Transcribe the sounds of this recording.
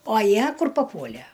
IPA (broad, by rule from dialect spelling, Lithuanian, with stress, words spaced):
oː ˈjiɛ ˈkʊr pɐˈpuɔlʲæ